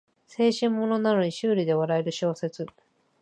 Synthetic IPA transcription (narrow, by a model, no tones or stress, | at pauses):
se̞ːɕĩmːo̞no̞nano̞ɲ̟iɕɨːɾʲid̪e̞βaɾae̞ɾɯ̟ɕo̞ːse̞t͡sɨ